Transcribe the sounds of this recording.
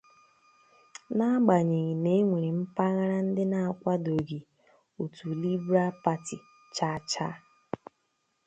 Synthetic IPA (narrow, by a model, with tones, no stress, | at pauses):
na˦ɡ͡ba˨ɲe˨ɣi˨ne˦ŋʷe˨ɾi˨m̩˦pa˦ɣa˦ɾa˦n̩˦dɪ˦na˨a˨kʷa˦do˨ɡi˨ | o˨tu˨li˦bɾa˦pa˦ti˨ | t͡ʃa˦t͡ʃa˦